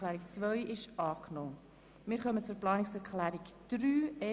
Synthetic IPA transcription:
læːɾikt͡sʋœɥʔɪʃɑːknoː | mɪːɾχœmət͡sʊɾplɑːnɪksɛɾklæːɾikd̥ɾyːɛ

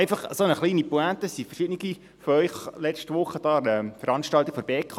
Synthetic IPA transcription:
eɪfɑχəsonəχliːnipuæt̪əsifərʃɪdniɡ̥i | foœʏχlɛt͡ʃtʋʊχəd̥̪ɑːɛfəɾɑnʃtɑlt̪ikfɔɾbeːkʰ

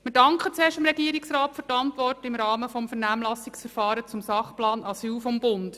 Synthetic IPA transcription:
mɪːɾdɑŋkχət͡seːʃtəmɾɛɡ̥iːɾiksɾɑːttfʏɾtɑntʋɔrtɪmɾɑːməfɔmfəɾnæːmlɑsɪksfəɾfɑːɾət͡sʊmsɑχplɑːnɑsyːlfɔmbʊnd

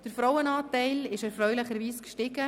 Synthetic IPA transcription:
d̥əɾfɾɔwənɑːtɛɪlɪʃɛɾfɾœʏlɪχəɾʋiːskʃtɪɡ̥ə

